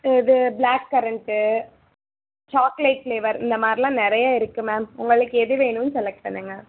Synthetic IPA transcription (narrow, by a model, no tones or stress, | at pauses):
ɪðɯblaːkːɐɾɐɳʈɯ | t͡ʃaːklɐɪʈfleːʋɐɾɪnd̪ɐmaːd̪ɾɪlãːnɪɾɐjaːɪɾɯkːɯmaːmʊŋɡɐɭɯkːɯɛðɯʋeːnɯnsɛlɛk̚ʈ̚pɐɳːɯːŋɡɐ